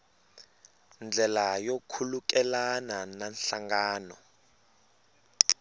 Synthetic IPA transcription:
nd͡ɮʱɛlajokʰulukɛlanananɬaŋɡaːnɔ

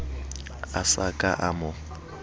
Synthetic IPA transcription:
asakʼaʔamʊ

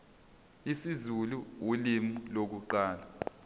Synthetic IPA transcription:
isizuluwulimulok̬uǃaːla

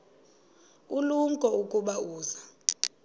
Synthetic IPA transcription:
uluŋkʼɔukʼuɓauːza

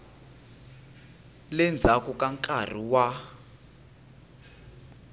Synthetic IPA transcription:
lɛnd͡zʱakukʼaŋkʼar̤iwa

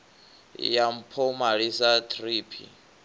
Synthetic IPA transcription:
jam̩pʰɔmaɺisat̪ʰriːpʰḭ

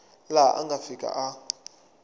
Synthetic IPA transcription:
laʔa̰ŋɡafikʼa̰ʔa

